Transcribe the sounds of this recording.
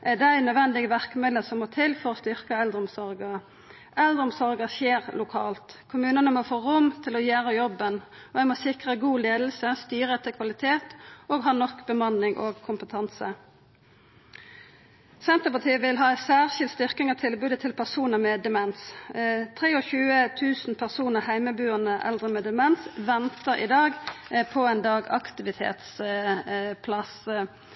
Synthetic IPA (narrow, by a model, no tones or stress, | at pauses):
ʔæd̪ɛæɪnœʋɛnd̪ɪɡəʋæʁkəmɪd̪əsɔmoːt̪ʰɪlfɔɾɔst̪ʏʁkəɛld̪ʁəɔmsɔʁɡə | ʔɛld̪ʁɔmsɔʁɡəseːʁlʊkʰɑːlt̪kʰʊmʉːnənəmofoːʁʊmt̪ʰɪlɔjæːʁəjɔbːən | ɔɛɪmoːsɪkʁəɡuːleːd̪l̩səst̪yːʁəɛt̪ʰːəkʰʋɑlɪt̪ʰeːt̪oːɡɦɑːnɔkːbəmɑnɪŋʔo̰ːɡkʰʊmpət̪ʰɑnsə | sɛnt̪əpɑʁt̪ʰiːəʋɪlɦɑːɛsæːʁʃɪlt̪st̪ʏʁkɪŋɑt̪ʰɪlbʉːd̪ət̪ʰɪlpʰæʁsuːnəʁmɛːd̪ɛmɛnst̪ʰʁeːɔçʉːət̪ʰʉːsn̩pʰæʁsuːnəʁhæɪməbʉːənəʔɛ̰ld̪ʁəmɛːd̪ɛmɛnsʋɛnt̪əʁɪ̰d̪ɑːɡpʰɔɛnd̪ɑːɡɑ̰kt̪ɪʋɪt̪ʰḛːt̪s | pʰlɑs